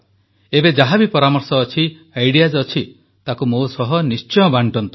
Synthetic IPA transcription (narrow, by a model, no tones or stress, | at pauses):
ebed͡ʒaɦabipɔɾamɔɾsɔːt͡ʃʰi | ajɽijad͡ʒɔt͡ʃʰi | t̪akumosɔɦɔnist͡ʃɔjɔbaɳʈɔnt̪u̥